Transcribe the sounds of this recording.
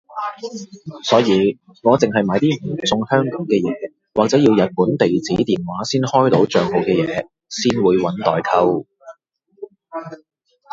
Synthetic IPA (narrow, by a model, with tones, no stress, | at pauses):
sɔː˨˥jiː˨˧ | ŋɔː˨˧t͡sɪ˨ŋɦɐ˨jmaː˨˧˥jt̪iː˥m̩˨˩t͡sʊ˧ŋhœː˥ŋkɔː˨˥ŋkɛː˧jɛː˨˧ | waː˨k̚t͡sɛː˨˥ji˧wjɐ˨t̚puː˨˥nt̪e˨jt͡siː˨˥t̪iː˨nwaː˨˥siː˥nhɔː˥jt̪o˨˥wt͡ʃœː˨ŋɦo˨wkɛː˧jɛː˨˧ | siː˥nwuː˨˧jwɐ˨˥nt̪ɔ̰ː˨jkʰɐ˥w